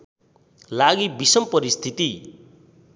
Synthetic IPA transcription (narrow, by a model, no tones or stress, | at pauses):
laɡibisʌmpʌɾist̪ʰit̪i